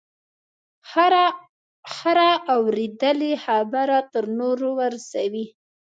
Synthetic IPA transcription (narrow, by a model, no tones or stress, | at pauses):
haɾaʔawɾed̪əlexabaɾat̪əɾnoɾowaɾsawi